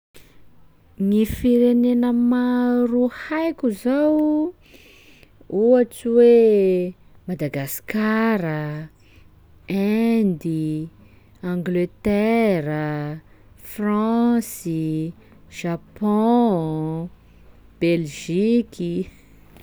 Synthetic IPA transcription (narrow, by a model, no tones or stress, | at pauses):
ŋifiɾenenəmaɾuhajkʲuzaw | uat͡siwe | mad̪aɡaskaɾə | ɛnd̪i | ãŋɡlet̪ɛɾə | frãsi | ʒ̥apɔ̃ | b̥elʒiki